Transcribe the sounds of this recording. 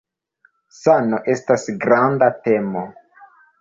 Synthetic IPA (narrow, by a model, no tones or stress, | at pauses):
sano̞ʔe̞stasɡɾandate̞mo